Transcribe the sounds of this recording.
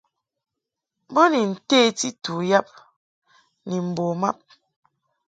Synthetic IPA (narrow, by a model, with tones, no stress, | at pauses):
bo˦ni˨n̩˨te˦ti˦tu˨ja˦p̚ | ni˨m̩˨bo˨ma̰˦p̚